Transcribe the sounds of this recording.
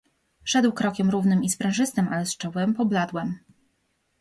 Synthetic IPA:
ʂɛd̪wkɾɔkʲɛmɾuvnɘmispɾɛ̃w̃ʐɘst̪ɘmʔalɛst͡ʂɔwɘmpɔblad̪wɛm

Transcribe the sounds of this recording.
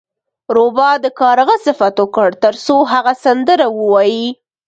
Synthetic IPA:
ɾobɑd̪əkɑɾaɣəsɪfat̪okəɽt̪əɾsoɦaɣasand̪əɾawəwɑji

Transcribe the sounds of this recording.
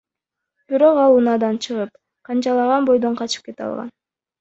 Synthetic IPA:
b̥iɾo̞qɑlˠunɑːd̪ɑnt͡ʃʰɯʁɯp̚ | qʰɑnt͡ʃɑlˠɑʁɑnbo̞jd̪o̞ɴqʰɑt͡ʃɯ̥p̚ke̞t̪ɑ̰lˠʁɑ̰n

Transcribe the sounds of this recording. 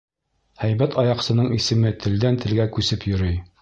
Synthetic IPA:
hæjbæt̪ɑjɑqsɤ̆nɤɴisɘ̆mɘt̪ʰɘ̆ld̪ænt̪ɘ̆lɡækʉsɘpjɵ̆ɾɵj

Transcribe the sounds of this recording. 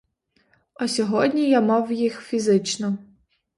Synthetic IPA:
ɐsʲɔɦɔdʲnʲijamɑwjixfʲizɪt͡ʃnɔ

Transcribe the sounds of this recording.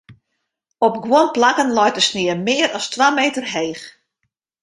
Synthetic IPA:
ɔpɡwonplakənlɔjtəsnɪəmɪːəɾɔstwaːmeːtərɦeːx

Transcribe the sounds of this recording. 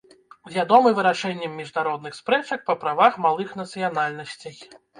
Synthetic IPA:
wvʲad̪ɔmɨvɨɾaʂɛnʲːɐmʲːiʐnaɾɔd̪̚nɨxspɾɛt͡ʂɐk̚pɐpɾavaxmalˠɨxn̪ɐt̪sɨjanalʲnɐsʲt͡sʲej

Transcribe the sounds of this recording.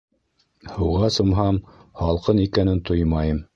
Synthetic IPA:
hɤwʁɑsŏmɦɑmhɑlˠqɤnikænɘnt̪ʰojmɑjɤm

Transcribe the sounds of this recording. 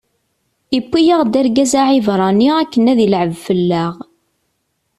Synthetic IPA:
ipʷːijaʁd̪æɾɡæzaʕivɾˤɑniækːənæðilʕəvfəlːæʁ

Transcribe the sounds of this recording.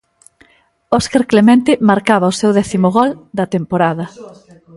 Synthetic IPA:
oskaɾklemɛ̃nt̪ɪmaɾkaβɐʊsewðɛθimʊɣɔld̪ɐt̪empoɾaðɐ

